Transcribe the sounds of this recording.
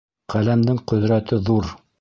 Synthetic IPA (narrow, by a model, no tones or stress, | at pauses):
qælæmd̪ɘŋqɵ̆ðɾæt̪ɘðuɾ